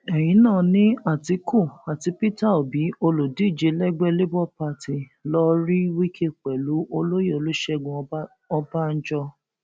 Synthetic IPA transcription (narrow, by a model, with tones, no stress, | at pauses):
ɛ˨j̃ĩ˨˦nãː˦˨nĩ˦a˦˨ti˧ku˦˨a˨ti˨˧pi˦ta˦˨o˨bi˨˦o˧lo˨di˨˦˨d͡ʒe˨˦lɛ˦ɡ͡bɛ˦le˦bɔ˦pa˧ti˨ | lɔ˦ɾi˦wi˦kʰe˦k͡pɛ˨lu˨˦ʔo˧lo˦je˦˨o˨˧lu˦ʃɛ˦ɡũ˧ | ɔ˧ba˦n̩˦d͡ʒɔ˧